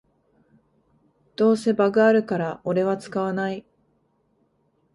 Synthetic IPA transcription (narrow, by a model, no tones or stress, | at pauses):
d̪̥o̞ːse̞baɡɯ̟aɾɯ̟kaɾaʔo̞ɾe̞βat͡sɨ̥kaβanai